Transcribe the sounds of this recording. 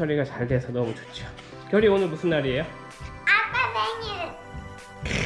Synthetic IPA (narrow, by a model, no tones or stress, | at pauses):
ʌɾiɡat͡ɕaɭde̞sʰʌnʌmut͡ɕot͡ɕ͈ʰo | kjʌɾionɯɭmusʰɯnːaɾie̞jo | ak͈ameŋiɭ